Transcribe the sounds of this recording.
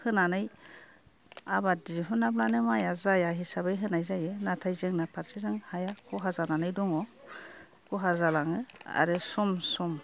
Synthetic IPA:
hɯnanɯj | abadiɦɯnablanɯmajazajaɦisabajɦɯnajzajɯnatʰajzɯŋnapʰaɾsizɯŋhajakʰɔɦazananɯjdɔŋɔ | kʰɔɦazalaŋɯa̰ɾɯsɔmsɔm

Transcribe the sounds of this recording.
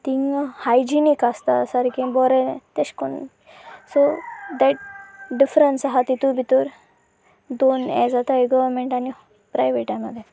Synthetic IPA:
t̪iŋhajd͡ʑinikast̪asaɾkĩbɔɾet̪eɕkon | sod̪ɛʈ̚ɖifɾənsaɦat̪it̪ubʱit̪uɾ | d̪onɛ̰d͡zat̪aiɡɔʋɾmeɳʈani | pɾajʋeʈʈːajmːəd̪ʱːje

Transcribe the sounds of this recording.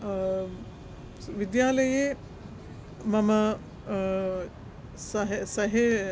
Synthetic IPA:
ʋid̪jaːlɐje | mɐmɐ | sɐɦsɐɦe

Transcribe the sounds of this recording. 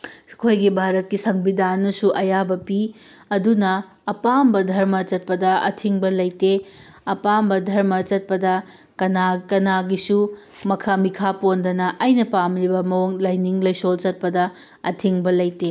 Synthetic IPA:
kʰojɡibʱaɾɐt̚kisɐŋbidanːɐsuʔɐjabɐpi | ɐdunɐː | pambɐdʱɐɾmɐt͡ʃɐt̚pɐdɐɐ̰tʰiŋbɐlɐjte | ɐpambɐdʱɐɾmɐt͡ʃɐt̚pɐdɐ | kɐnakɐnaɡisu | mɐkʰamikʰapondɐnɐʔɐjnɐpamɾibɐmɐwoŋlɐjniŋlɐjsolt͡ʃɐt̚pɐdɐ | ɐtʰiŋbɐlɐjte

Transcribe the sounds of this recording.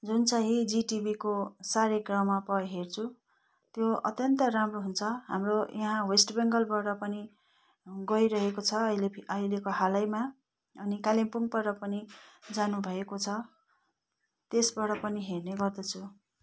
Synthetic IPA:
d͡zunt͡saɦĩd͡ziʈibikosaɾeɡrʌmapʌjɦert͡sʰu | t̪joʌ̰t̪jʌnt̪ʌramroɦunt͡sʰʌɦamrojʌɦãwesʈbeŋɡʌlbaɽʌpʌni | ɡʌiɾʌɦekot͡sʰʌleʌɦilekoɦalʌjma | ʌnikalimpuŋpʌɾʌpʌnid͡zanubʱʌekot͡sʰʌ | t̪esbʌɽʌpʌniɦerneɡʌrd̪ʌt͡sʰu

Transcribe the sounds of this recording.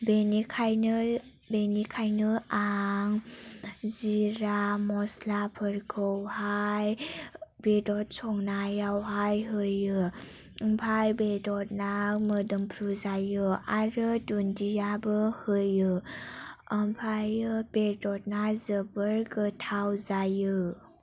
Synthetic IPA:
benikʰaj | benikʰajnɯaŋ | ziɾamɔslapʰəɾkʰəwhaj | bedɔt̚sɔŋnajawɦajɦɯjɯ | mpʰajbedɔt̚namədɯmpʰɾuzajɯaɾɯdundijabɯhɯjɯ | əmpʰajɯb̥edɔt̚nazəbəɾɡɯtʰawzajɯ

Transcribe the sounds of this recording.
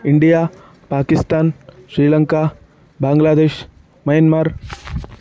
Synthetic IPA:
ɪɳɖijaː | paːkist̪aːnʃɾiːlɐŋka | baːŋɡlaːd̪eːʃ | mɐjənmaːɾ

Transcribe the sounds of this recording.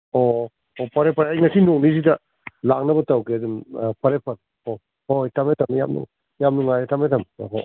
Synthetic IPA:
o | opɐɾepʰɐɾhajŋɐsinok̚nizidɐ | lak̚nɐbɐtɐwkeɐdumpɐɾepʰɐɾ | o | hojtametʰɐmja̰mnṵŋ | jamnuŋajɾetametʰɐmo̰ɦo̰

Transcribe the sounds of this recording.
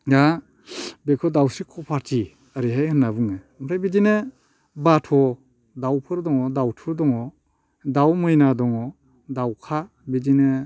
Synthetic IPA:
ɡa | bekʰɔdawsikʰɔpʰaɾti | aɾiɦajhɯnːabɯŋe | mɾajbid͡ʒine | batʰɔ | dawpʰɯɾdɔŋɔdawtʰuɾdɔŋɔ | dawmɯjnadɔŋɔ | dawkʰa | bid͡ʒine

